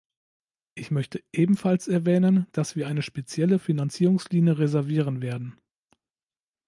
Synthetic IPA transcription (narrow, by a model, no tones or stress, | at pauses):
ʔɪçmœçtʰəʔeːbm̩falsɛɐvɛːnənd̥asv̥iːɐaɪnəʃpet͡sjɛləfinant͡siːʁʊŋsliːnjəʁezɛɐviːʁənveːɐdn̩